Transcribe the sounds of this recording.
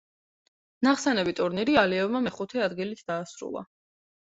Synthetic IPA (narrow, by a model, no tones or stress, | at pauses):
naχsɛnɛbit̪ʼuɾniɾialiɛvmamɛχut̪ʰiad̪ɡilit̪ʰd̪aːsɾṵlˠa̰